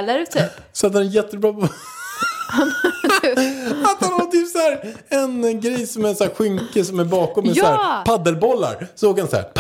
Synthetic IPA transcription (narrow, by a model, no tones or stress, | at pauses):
laɾt̪ː | sɔat̪hanɛjɛt̪ːəbɾɑː | at̪hanhaɾt̪yːpsæːɾ | ɛnɡɾɛjsɔmæɛsæːɧʏŋkəsɔmæɾbɑːkɔmɪsæːɾpʰad̪əlbɔlːa̰ɾsoːɡhansæ̰ɾpʰ